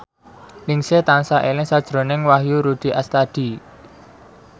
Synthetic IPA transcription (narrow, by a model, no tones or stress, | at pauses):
lɪŋset̪ansaʔelɪŋsad̥ʒ̥ɾo̤nɪŋwaɦjuɾud̪̥i̤ʔast̪ad̥i